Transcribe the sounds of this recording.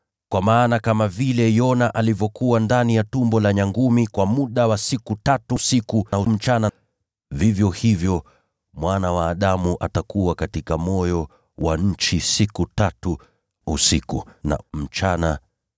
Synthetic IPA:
kwamaːnakamavilɛjɔnaʔalivjɔkuwandanijatumbɔlaɲaŋɡumikwamuɗawasikutatusikuaum̩t͡ʃana | vivjɔhivjɔ | mwanawaːɗamuʔatakuwakatikamɔjɔ | waɲ̩t͡ʃisikutatu | usikuna̰m̩t͡ʃana

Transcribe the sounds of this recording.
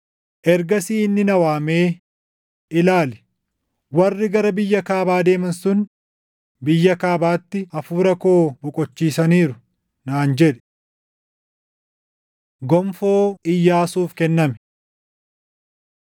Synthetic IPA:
ʔɛɾɡɐsiːɪnːɪnɐwaːmeː | ɪlaːlɪ | wɐrːɪɡɐɾɐbɪjːɐkaːbaːd̪e̞ːmɐnsʊn | bɪjːɐkaːbaːt̪ːɪʔɐfuːɾɐko̞ːbʊkʼɔt͡ʃːiːsɐniːɾʊ | naːnd͡ʒɛᶑɛ̥ | ɡɔmfoːɪjːaːsuːfkɛnːɐmɛ

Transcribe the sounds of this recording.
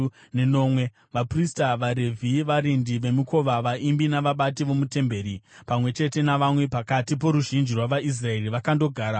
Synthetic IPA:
neno̞ːmwe̞ | ʋapristaʋaɾe̞vʱiʋaɾindiʋe̞muko̞ʋaʋaimbinaʋaɓatiʋo̞mute̞mbe̞ːɾi | pamwe̞t͡ʃe̞te̞naʋamwe̞pakatip̬o̞ɾuʒind͡ʒirwaʋaʔis̬rae̞riʋakando̞ɡʱaːɾa

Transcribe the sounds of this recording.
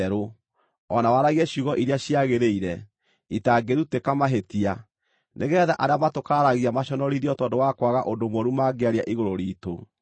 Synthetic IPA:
ɾo | ɔnawaɾaɣiɛɕuɣɔʔiɾeaɕiaɣeɾeiɾɛ | itaɡeɾutekamaɦetia | nʔeɣɛːðaʔaɾeamatokaɾaɣiamaɕɔnɔɾiɾiɔtɔndowakwaɣaʔondomwɔɾumaɡeaɾeaʔiɣoɾoɾiːto

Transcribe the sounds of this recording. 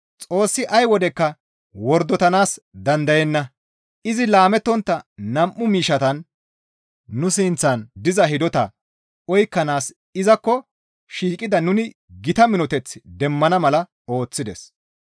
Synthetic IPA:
t͡sʼo̞ːsːɪʔɐjwɔd̪ɛkːɐ | wɔɾd̪ɔt̪ɐnaːsd̪ɐnd̪ɐjɛnːɐ | ʔɪzɪlaːmɛt̪ːɔnt̪ːɐnɐmʔːʊmiːʃɐt̪ɐn | ʊsɪnt͡sːɐnd̪ɪzɐɦɪd̪ɔt̪ɐ̰ | ɔjkːɐnaːs | ɪzɐkːɔ | ʃiːkʼɪd̪ɐnʊnɪ | ɡɪt̪ɐmɪnɔt̪ɛt͡sːd̪ɛmːɐnɐmɐlɐ | o̞ːt͡sːɪd̪ɛs

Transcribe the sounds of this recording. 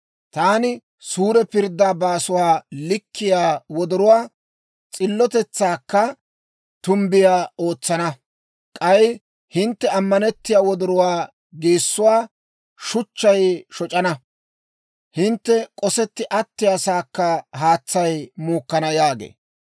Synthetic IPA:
t̪aːnɪ | suːɾɛpɪɾd̪ːaːbaːsʊwaːlɪkʰːɪjaːwɔd̪ɔɾʊwaː | t͡sʼɪlːɔt̪ɛt͡sːaːkːɐ | t̪ʊmbɪjaːoːt͡sːɐnɐ | kʼɐj | hɪnt̪ːɛɐmːɐnɛt̪ːɪjaːwɔd̪ʊɾʊwaː | ɡeːsːʊwaː | ʃʊt͡ʃːɐjʃɔt͡ʃʼɐnɐ | hɪnt̪ːɛkʼɔsɛt̪ːɪʔɐt̪ːɪjɐsaːkːɐɦaːt͡sːɐjmuːkːɐnɐjaːɡḛː

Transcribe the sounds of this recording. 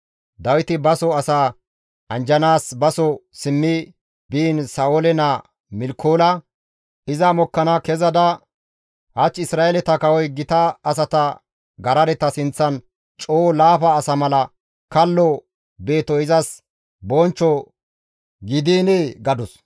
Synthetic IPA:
d̪ɐwɪt̪ɪbɐsɔɐsaː | ʔɐnd͡ʒɐnaːsbɐsɔsɪmːɪ | biːnsaːolɛna | mɪlkʰoːlɐ | ʔɪzɐmɔkːɐnakɛzɐd̪ɐ | hɐt͡ʃːɪsɾaːelɛt̪ɐkɐwɔjɡɪt̪ɐːs̬ɐt̪ɐ | ɡɐɾɐd̪ɛt̪ːɐsɪnt͡sːɐn | t͡ʃʼoːlaːfɐːsɐmɐlɐ | kɐlːɔ | be̞ːt̪ɔɪzɐs | bɔnt͡ʃːɔ | ɡɪd̪iːneɡɐd̪ɔs

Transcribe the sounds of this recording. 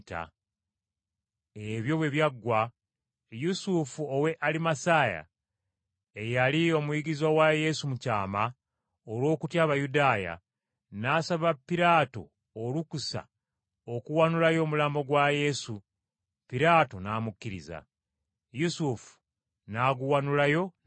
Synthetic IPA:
ta̰ | e̞βjo̞βwe̞βjaɡːwa | jusufuowe̞ʔalimasaːja̰ | ejalio̞mujiɡizwawaje̞sumucaːma | olwo̞ːkutjaːβajudaːja̰ | naːsaβapːiɾaːto̞̰ː | lukusa̰ | okuwanulajo̞ːmulaːmbo̞ɡwaje̞su | piɾaːto̞naːmukːiɾḭza̰ | jusufu̥ | naːɡuwanulajo̞

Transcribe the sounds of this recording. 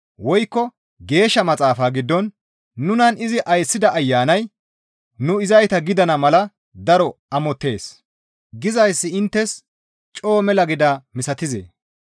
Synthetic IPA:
wɔjkːɔ | ɡe̞ːʃːɐmɐt͡sʼaːfaːɡɪd̪ːɔnː | ʊnɐnɪzɪʔɐjsːɪd̪ɐʔɐjːaːnɐj | nʊɪzɐjt̪ɐɡɪd̪ɐnɐmɐlɐ | d̪ɐɾɔɐmɔt̪ːe̞ːs | ɡɪzɐjsːɪɪnt̪ːɛs | t͡ʃʼo̞ːmɛlɐɡɪd̪ɐmɪsɐt̪ɪzḛː

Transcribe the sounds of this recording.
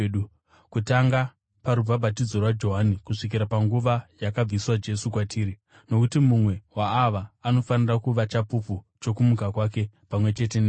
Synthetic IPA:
u | kutaŋɡa | paɾub͡vabʱatid͡zorwad͡ʒo̞ɦanikuʂik̬iɾapaŋɡuʋajakab͡viswad͡ʒe̞sukwatʰiːɾi | no̞kutimumwe̞waːʋaːno̞fanirakuʋat͡ʃapupu | t͡ʃo̞kumukakwaːke̞pamwe̞t͡ʃe̞t̬en

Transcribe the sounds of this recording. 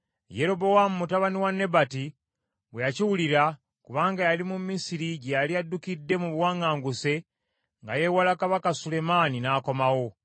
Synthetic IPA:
je̞ɾo̞bo̞wamumutaβaniwanːe̞bati | wejaciwuliɾa | kuβaːŋɡajalimumːisiɾiɟejaliadːukidːe̞muβwaːŋaːŋɡuse̞ | ŋɡaje̞walakaβakasule̞maːninaːko̞mawo̞

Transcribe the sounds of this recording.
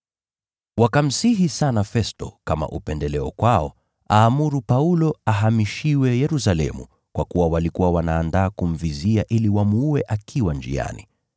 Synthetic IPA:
wakam̩siɦisanafɛstɔ̰kama̰ʔupɛndɛlɛɔkwaɔ | aːmuɾupaulɔaɦamiʃiwɛjɛɾusalɛ̰mṵ | kwakuwawalikuwawanaːndaːkum̩viziaʔiliwamuwɛʔakʰiwand͡ʒḭa̰ni

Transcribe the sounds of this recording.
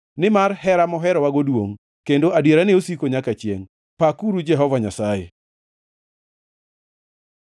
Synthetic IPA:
nɪmarɦɛɾamɔɦɛɾɔwaɡodwoŋ | kendoʔadjeɾaneosikoɲakat͡ʃjḛŋ | pakuɾud͡ʒɛɦɔvaɲasajḛ

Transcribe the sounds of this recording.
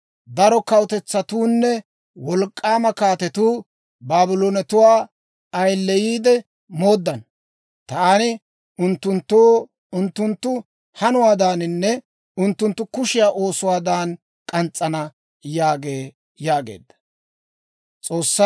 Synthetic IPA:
d̪ɐɾɔkɐwʊt̪ɛt͡sːɐt̪uːnːɛ | wɔlkʼːaːmɐkaːt̪ɛt̪uː | baːbɪloːnɛt̪ʊwaː | ɐjlːɛjiːd̪ɛ | mo̞ːd̪ːɐn | t̪ɐanɪ | ʊnt̪ːʊnt̪ːoː | ʊnt̪ːʊnt̪ːʊ | hɐnʊwaːd̪aːnɪnːɛ | ʊnt̪ːʊnt̪ːʊkʊʃɪjaːʔo̞ːsʊwaːd̪aːn | kʼɐnt͡sʼːɐnɐ | jaːɡe̞ː | jaːɡḛːd̪ːɐ̥ | t͡sʼo̞ːsːɐ

